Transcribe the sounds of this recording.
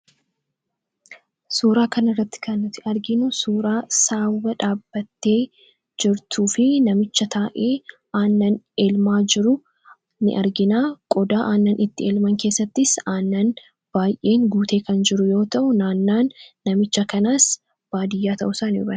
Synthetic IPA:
suːɾaːkɐnɪrːɐt̪ːɪ̥kɐnːɪt̪ːɪɐɾɡɪnʊsuːɾaːsaːwwɐᶑaːbːɐt̪ːe̞ː | d͡ʒɪɾt̪ʰuːfɪnɐmɪt͡ʃːɐt̪ʰaːʔe̞ː | ʔaːnːɐn | eːlmaːd͡ʒɪɾʊ | nɪ̰ʔɐɾɡɪnaːkʼɔd̪aːʔaːnːɐnʔɪt̪ːɪeːlmɐŋke̞ːsːɐt̪ːɪsaːnːɐn | b̥aːjʔe̞ːŋɡuːt̪e̞ːkɐnd͡ʒɪɾʊjo̞ːt̪ɐʔʊnaːnːaːnːɐmɪt͡ʃːɐkɐnaːs | b̥aːd̪ɪjːaːt̪ɐ̰ʔʊsaːnɪʊ̰bɐn

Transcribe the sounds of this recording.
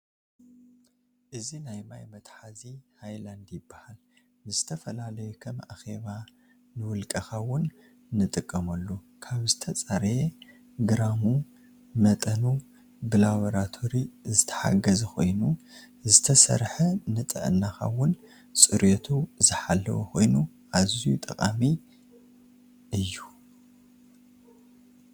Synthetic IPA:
ʔɨzinajmajmɐt̪ʼħazihajland̪jɪbːahal | nɨzɨt̪ʰɐfɐlalɐjukʰɐmʔa̰xe̞βa | nɨwʊlkʼɐxawʊnː | ɨt̪ʼɨkʼːɐmɐlːu | kʰaβzɨt̪ʰɐt͡sʼaɾe | ɡɨɾamu | mɐt̪ʼɐnu | bɨlaβoɾat̪ʰo̞ɾizɨt̪ʰɐ̥ħa̰ɡɐzɐxo̞̰jnu | zɨt̪ʰɐsɐ̰ɾħɐnɨt̪ʼɐ̰ʔɨ̰nːaxa̰wʊn | sʼɨɾjot̪ʰuzɨħalːɐ̰wuxʰo̞̰jnu | ʔazijut̪ʼɐkʼami | ʔɨjːu

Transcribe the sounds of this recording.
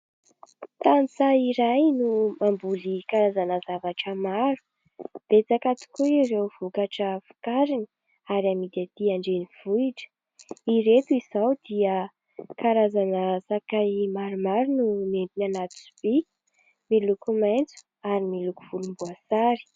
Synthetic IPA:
t̪anit͡saiɾajnumambulikaɾazanəzavaʈ͡ʂəmaɾu̥ | b̥et͡sakat̪i̥kuirewvukaʈ͡ʂəfu̥kaɾini | aɾiamid̪at̪iaɳɖ͡ʐeniv̥uiʈ͡ʂə̥ | iɾet̪uiz̥awd̪iə | kaɾazanəsakajmaɾumaɾununent̪inanat̪u̥su̥b̥i | milukumajnt͡su̥ | aɾimiluku̥v̥ulumbuasaɾi̥

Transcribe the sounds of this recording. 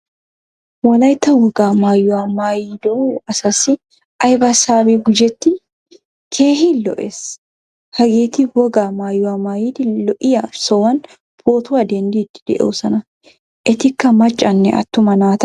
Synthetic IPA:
wɐlɐjt̪ːɐwɔɡaːmaːjʊamaːjid̪oɐsɐsɪ | ʔɐjbɐsaːbiɡʊd͡ʒɛt̪ːɪ | kʰeːhilɔ̰ʔeːs | hɐɡeːt̪ɪwɔɡaːmaːjːʊamaːjit̪ɪlɔʔɪjaːsɔwɐn | pʰoːt̪ʊɐd̪ɛnd̪iːt̪ːɪ̥d̪ɛ̰ʔoːsɐnɐ | ʔɪt̪ɪkːɐmɐt͡ʃʼːɐnːɛ̰ʔɐ̰t̪ːʊmɐnaːt̪ɐ

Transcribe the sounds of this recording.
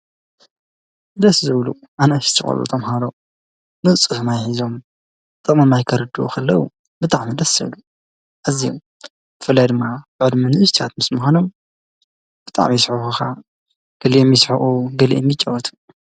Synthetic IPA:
ɨd̪ɐszɨβlu | ʔanaʃt̪ʰɨxʼɐ̰lṵt̪ʰɐmɦaɾo | nɨt͡sʼɨfɨmajħizo̞m | t̪ʼɨmɐmajkʰɐɾɨd̪uṵkʰɐlːɐwṵ | bɨt̪ʼaʕmid̪ɐszɨ̰βlu | ʔazijom | b̥ɨfɨlːajd̪ɨmːabɨʕɨd̪mɨnɨʔɨst̪ʰat̪mɨsmxʷanom | b̥ɨt̪ʼa̰ʕmisħufuxʰa | ɡ̥ɐliʔmjisħuʔuɡɐlḭʔɛmjɪt͡ʃʼːawɐt̪ʰu̥

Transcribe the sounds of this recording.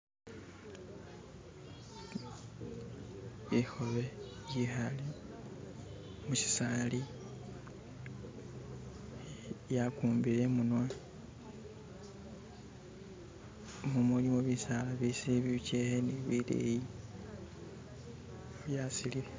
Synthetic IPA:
βixo̞βejixali | musi̥saːli | jakuːmbile̞munwa | mumulimoβisalaβisiβiβceheniβilḛji | βjasilile

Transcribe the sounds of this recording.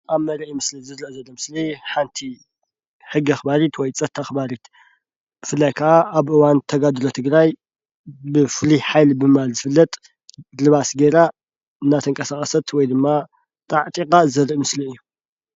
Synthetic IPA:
ʔaβmɐɾʔimɨslizɨɾʔzɐlːomɨsliħant̪ʰi | ħɨɡːiaxbaɾit̪wɔjt͡sʼɐt̪ʰːaxbaɾit̪ | bɨfɨlːajkʰɐʔaʔaβʔɨwant̪ʰɐɡad̪lot̪ʰɨɡɾaj | bɨfɨliħajlbɨmɨβalzɨfɨlːɐt̪ʼ | lɨβasɡeɾa | ɨnːat̪ʰɐŋkʼɐsaχʼɐsɐt̪ʰwɔjd̪ɨmːa | t̪ʼaʕt̪ʼikʼazɐɾʔɨmɨsliɨjːu

